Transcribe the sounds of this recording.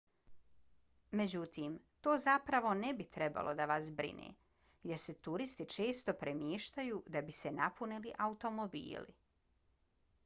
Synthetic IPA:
me̞d͡ʑut̪iːmt̪o̞ːzapɾaʋo̞nebit̪ɾe̞ba̰lʔo̞d̪aʋasbɾḭnḛː | jeɾse̞t̪uɾist̪it͡ʃe̞ːst̪o̞pɾemjeːʃt̪ajuːd̪abise̞napʰuniliʔaut̪o̞mo̞bḭːlḭ

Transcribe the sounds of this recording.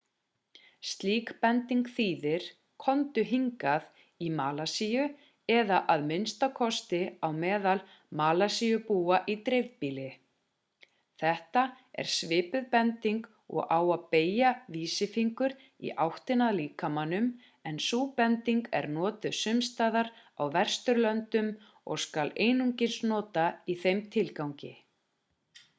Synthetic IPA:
st̪liːkpɛnt̪iŋkθiːðɪɾ̥ | kʰɔnt̪ʏɦiŋkað | imaːlasijʏ | ɛðaʔaðmɪnst̪akʰɔst̪ɪawmɛːðal | maːlasijʏpuːaʔit̪ɾevpiːlɪ | θɛht̪a | ɛ̰ɾ̥svɪːpʏðpɛnt̪iŋk | ɔ̰ɣaːwaðpeːjaviːsɪfiŋkʏɾ | ḭʔawht̪ɪnaðliːkamanːʏm | ɛnsuːpɛnt̪iŋkɛ̰ɾnɔːt̪ʏsʏmst̪aːðaɾawvɛr̥st̪ʏɾlœnt̪ʏm | ɔ̰ɣskaleːjnuɲcɪnsnɔːt̪aiθejmt̪ʰɪlkawɲcɪ

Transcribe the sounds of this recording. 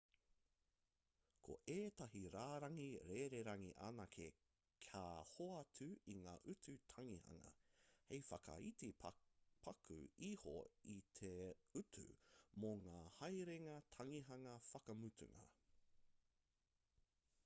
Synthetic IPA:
kʰo̰ʔeːtɐɦiɾaːɾɐŋiɾeːɾeɾɐŋiʔa̰nakʰḛ | kʰaːhoɐtʰʉiŋaːʔʉtʰʉtʰɐŋihɐ̰ŋɐ̰hejfɐkɐ̰itipʰɐkʰʉ̰iho̰it̪ʰeʉtʰʉ̰moŋaːhɐjɾeŋɐtʰɐŋiɦɐŋɐfɐkɐmʉtʰʉ̰ŋɐ̰

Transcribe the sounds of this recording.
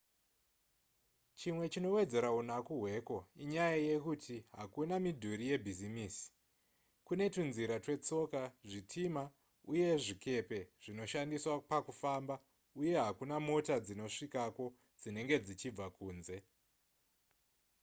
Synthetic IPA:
t͡ʃimwe̞t͡ʃino̞we̞d͡ze̞ɾaunakuɦwe̞ko̞iɲajaje̞kutʰiɦakunamidʱuɾije̞bʱizimiːsi̥ | kune̞tunziɾatwe̞t͡so̞kaʐitʰima | uje̞ʐike̞pe̞ʐ̥ino̞ʃandiswapakufaːmba | uje̞ɦakunamo̞tad͡zino̞ʂikako̞ | d͡zine̞ŋɡe̞d͡zit͡ʃib͡vakuːnze̞

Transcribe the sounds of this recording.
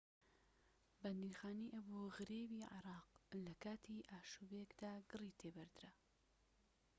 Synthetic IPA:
band̪iːɾxaːniːʔɐboɣɨɾeːbiːʕɪ̰ɾɑːqlɐkaːt̪ʰiʔaːʃubekd̪aːɡɨrit̪ʰeːbɐɾd̪ɨɾɐ

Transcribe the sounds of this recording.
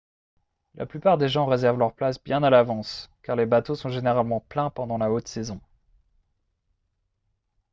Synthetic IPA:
lʔa̰plypaʁd̪eʒɑ̃ʁezɛʁvlœʁplasbjɛ̃nalavɑ̃skaʁlebat̪osɔ̃ʒeneʁalmɑ̃plɛ̃pɑ̃d̪ɑ̃laot̪sezɔ̃

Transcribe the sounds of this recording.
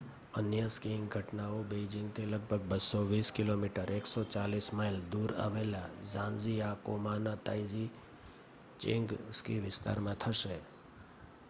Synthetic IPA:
ənjəskiŋɡʱəʈnaobed͡ʒɪ̃ŋɡt̪ʰiləɡ̚bʱəɡbəsoʋiskɪlomiʈəɾeksot͡ʃalismajld̪uɾa̰ʋelazãnd͡ʒiakomanat̪ajzi | t͡ʃɪ̰̃ŋɡskiʋɪst̪a̰ɾmãt̪ʰəʃe

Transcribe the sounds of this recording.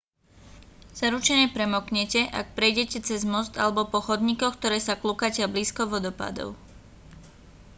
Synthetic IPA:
z̥aɾut͡ʃɛɲɛpɾɛmɔkɲɛcɛʔa̰k̚pɾɛjɟɛcɛt͡sɛzmɔst̪a̰lɛbɔpɔxɔd̪ɲikɔxk̚t̪ɔɾɛːsaklukacɛabliːskɔʋɔd̪ɔpa̰d̪ɔ̰ʊ

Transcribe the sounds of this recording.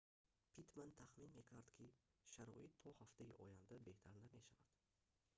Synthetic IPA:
pʰit̪mant̪ʰaχminme̞kʰaɾd̪kʲʰiʃaɾɔ̰it̪ʰːɔhaft̪aiʔɔ̰jand̪abe̞ht̪ʰaɾname̞ʃavad̪̥

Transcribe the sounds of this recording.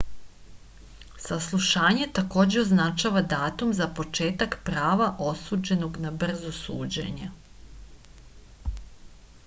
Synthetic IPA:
saslˠuʃaːɲe̞t̪ako̞ːd͡ʑeo̞znat͡ʃaːʋad̪aːt̪umzapo̞t͡ʃe̞ːt̪akpɾaːʋaʔo̞suːd͡ʑe̞noɡnabr̩zosṵːd͡ʑḛɲe

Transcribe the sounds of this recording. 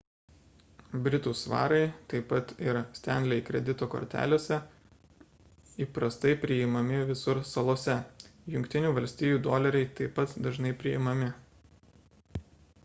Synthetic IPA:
bʲɾʲɪt̪uːsʋɑ̰ːɾɐɪt̪ɐɪpɐt̪ɪɾsʲt̪ʲɛnʲd̪ʲlʲɛɪkɾʲɛd̪ʲɪt̪oːko̰ːɾʲt̪ʲæ̰ːlʲoːsʲɛ | iːpɾɐst̪ɐɪpʲɾʲɪɪmɐmʲɪʋʲɪsʊɾsɐlˠoːsʲɛjʊŋʲkt̪ʲɪnʲuːʋɐlʲsʲt̪ʲiːjuːd̪oːlʲɛɾʲɛɪt̪ɐɪpːɐt̪d̪ɐʒnɐɪpʲɾʲɪɪmɐmʲɪ

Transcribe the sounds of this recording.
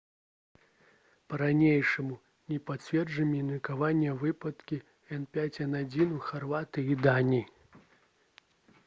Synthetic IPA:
pɐɾanʲejʂɐmu | nʲɛpat͡sʲvʲɛrʐɐmʲinʲikavanʲːɐvɨpɐt̪kʲi | ɛnpʲat͡sʲɛnad͡zʲinuxarvat̪ɨid̪anʲi

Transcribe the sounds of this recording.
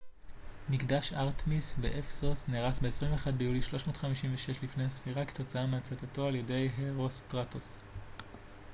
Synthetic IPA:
mikdaʃaʁtmisbeʔefsosneʁasbe̞esʁimveχad̚bejuliʃlo̞ʃmo̞ːtχamiʃimveʃe̞ʃlifne̞jhasfiʁake̥t̪o̞t͡saameat͡satato̞aljede̞jɦeʁostʁatos

